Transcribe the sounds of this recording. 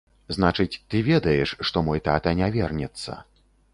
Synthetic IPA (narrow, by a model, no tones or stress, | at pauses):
znat͡ʂɨt͡sʲt̪ɨvʲɛd̪ɐjɛʂːt̪ɔmɔjt̪at̪ɐnʲavʲɛrnʲɛt̪sːɐ̰